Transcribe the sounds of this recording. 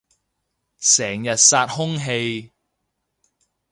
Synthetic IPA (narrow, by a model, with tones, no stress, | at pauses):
sɛː˨˩ŋjɐ˨t̚saː˧t̚hʊ˥ŋɦe˧j